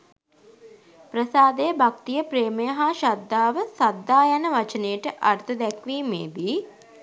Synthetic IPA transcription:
pɾəsaːd̪ejəbʱak̚t̪ijəpɾeːmɐjəɦaʃad̪ːaːʋəsad̪ːaːjanəʋɐt͡ʃəneəʈəʔɐɾt̪ʰɐd̪ɛkʋiːmeːd̪iː

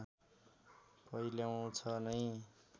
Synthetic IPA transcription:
pʌjljaw̃t͡sʰʌnʌj

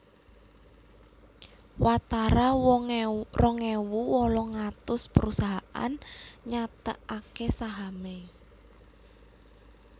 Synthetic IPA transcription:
wat̪aɾa | rɔŋewuwɔlɔŋat̪ʊspəɾusaɦaʔa̰nɲat̪ə̰ʔakesaɦame

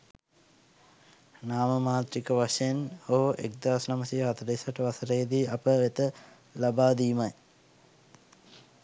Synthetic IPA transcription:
naːməmaːt̪ɾikəʋaʂeenoɦoʔek̚d̪aːsnaməsijɦat̪əɾesaʈəʋasəɾejd̪iːapəʋet̪ə | labaːd̪iːmaj

